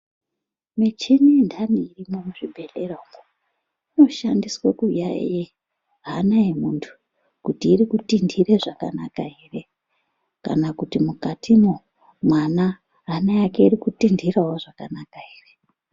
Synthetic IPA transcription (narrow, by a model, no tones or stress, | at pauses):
met͡ʃenindʱaniirimomuʐibʱe̞leramo | ino̞ʃandiswekuja̰je | ranajemuntʰu̥ | kutiːɾikutindiɾeʐaka̰na̰kaire̞ | ka̰nakutimukatʰimo | mwana | ranajakeiɾikutindʱirawoʐakanakaiːre